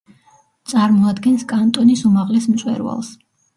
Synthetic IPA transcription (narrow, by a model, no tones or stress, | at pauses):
t̪sʼaɾmɔad̪ɡɛnskʼant̪ʼɔnisumaʁlɛsmt̪sʼwɛ̰ɾva̰lˠs